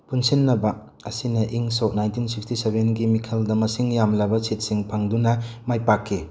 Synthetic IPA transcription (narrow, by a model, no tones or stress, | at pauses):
punsinːɐbɐ | ɐsinɐʔiŋsɔk̚najntinsikstisebenɡimikʰɐldɐmɐsiŋjamlɐbɐset̚siŋpʰaŋdunɐmajpakʰːi